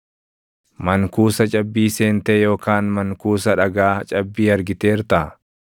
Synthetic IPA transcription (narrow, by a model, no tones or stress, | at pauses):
mɐŋkuːsɐt͡ʃʼɐbːiːseːnt̪eːjo̞ːkaːnmɐŋkuːsɐᶑɐɡaːt͡ʃʼɐbːiːɐɾɡɪt̪e̞ːɾt̪ɐʔɐ